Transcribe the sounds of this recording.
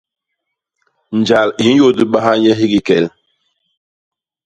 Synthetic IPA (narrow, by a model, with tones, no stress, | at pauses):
n˨d͡ʒa˨li˨˦n˦jo˦di˦ɓa˦ɦa˦ɲɛ˦ɦi˦ɡi˨kɛ˨l